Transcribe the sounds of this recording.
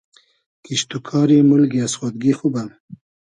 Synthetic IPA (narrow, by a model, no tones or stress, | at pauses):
kiʃt̪ukʰɑːɾimulɡiasχad̪̚ɡixubam